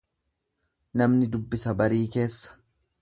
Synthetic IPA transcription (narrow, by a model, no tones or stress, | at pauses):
nɐmnɪd̪ʊbːɪsɐbɐɾiːke̞ːsːɐ̥